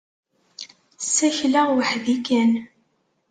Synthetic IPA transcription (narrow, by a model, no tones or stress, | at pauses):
sːæçlaʁwəħðikæn